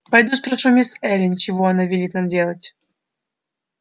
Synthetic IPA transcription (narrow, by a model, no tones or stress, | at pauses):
pɐjd̪ʲut̪pɾɐʂumʲesɛlʲɪnʲt͡ɕɪvoɐnavʲɪlʲit̪namdʲe̞lˠətʲ